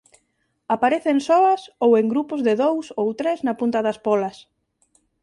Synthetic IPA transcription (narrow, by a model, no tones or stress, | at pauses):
apaɾeθeŋsɔɐsoweŋɡɾupʊzðɪðowsowt̪ɾeznɐpunt̪ɐðɐspɔlɐs